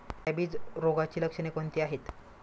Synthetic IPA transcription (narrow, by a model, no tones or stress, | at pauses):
ɛbiːd͡zɾoɡat͡ɕiːləkʂənekont̪iːaɦet̪